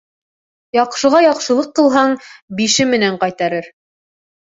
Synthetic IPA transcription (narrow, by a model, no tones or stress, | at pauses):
jɑqʃɤ̆ʁɑjɑqʃɤ̆lˠɤqːɤ̆lˠɦɑɴbiʃɘmɘ̆næɴqɑjt̪ɑɾɘɾ